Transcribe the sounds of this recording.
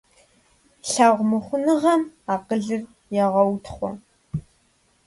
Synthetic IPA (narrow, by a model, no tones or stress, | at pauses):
ɬaːʁʷmɨχʷʊnɨʁɐmaːqəɮɨr | jɛʁɐwtʰχʷɔ̰